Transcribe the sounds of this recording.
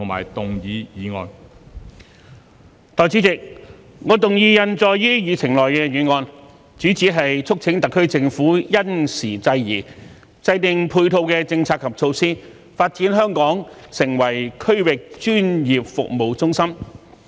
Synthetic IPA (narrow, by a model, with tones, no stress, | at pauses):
t̪ʰʊ˨˩ŋma̰ː˨˩jt̪ʊ˨ŋjiː˨˧jiː˨˧ŋɔ̰ː˧n | t̪ɔː˨˩jt͡siː˨˥t͡sɪ˨k̚ | ŋɔː˨˧t̪ʊ˨ŋjiː˧jɐ˨nt͡sɔː˨˧jjiː˥jyː˨t͡sʰɪ˨˩ŋlɔː˨jkɛː˧jyː˨˧ŋɔː˧n | t͡ʃyː˨˥t͡siː˨˥ɦɐ˨jt͡ʃʰʊ˥k̚t͡sʰɪ˨˥ŋt̪ɐ˨kʰːɵ˥ɥt͡sɪ˧ŋfuː˨˥jɐ˥nsiː˨˩t͡sɐ˧jjiː˨˩ | t͡sɐ˧jt̪ɪ˨ŋpʰuː˧jt̪ʰo˧wkɛː˧t͡sɪ˧ŋt͡sʰaː˧˥kʰːɐ˨p̚t͡sʰo˧wsiː˥ | faː˧t̚t͡siː˨˥nɦœː˥ŋkɔː˨˥ŋsɪ˨˩ŋwɐ˨˩jkʰɵ˥ɥwɪ˨k̚t͡ʃyː˥njiː˨p̚fʊ̰˨k̚mo˨˧wt͡sʊ˥ŋsɐ˥m